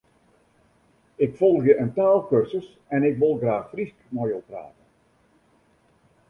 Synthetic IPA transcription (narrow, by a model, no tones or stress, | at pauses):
ɪkfɔlˠɣjəʔəntaːlˠkørzəs | ɛnɪkʋɪlˠɣraːxfriskmojopra̰ːtən